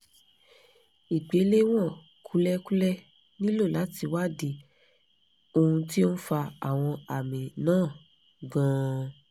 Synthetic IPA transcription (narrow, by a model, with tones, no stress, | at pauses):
i˨k͡pe˨˦le˦w̃ɔ̃˦˨ | kʰu˦lɛ˦ku˦lɛ˦ | nĩ˦lo˦˨la˨˦ti˧wa˦di˧ | o˧hũ˧ti˦o˦n̩˦fa˧a̰˨w̃ɔ̃˧a˨mĩ˨nãː˦˨ | ɡã˨˦